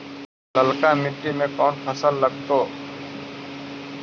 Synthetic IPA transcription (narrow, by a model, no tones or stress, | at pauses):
ləlkaːmɪʈːimẽːkɔːnpʰəsəlːəɡ̚t̪oː